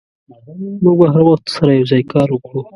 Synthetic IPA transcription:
muɡ̚baɦaɾwaxt̪saɾajawzɑjkɑɾwəkɽu

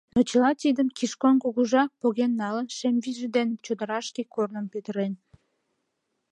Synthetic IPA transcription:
not͡ɕəlɑt̪id̪əmkiʃkonkuɣuʒɑpoɣenːɑlənʃemviʒəd̪ent͡ɕod̪əɾɑʃkekornəmpøt̪əɾen

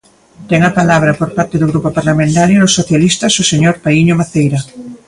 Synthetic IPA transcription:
t̪ɛŋapalaβ̞ɾɐpoɾpaɾt̪eðʊɣɾupopaɾlamẽnt̪aɾjonosːoθjalist̪ɐsʊseɲoɾpaiɲoβaθejɾɐ

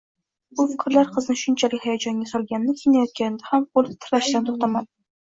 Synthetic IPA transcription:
bʊfɪkʲɾlaɾqʰɨznɪʃʊnt͡ʃʰalɪkʲhajad͡ʒɒŋɡʲasɒlˠɡʲannɪkʲʰejnajɒt̪̚kʲanɪd̪ahamqolˠɪt̪ʰɪɾlaʃɪd̪ant̪ʰoχt̪ʰaman

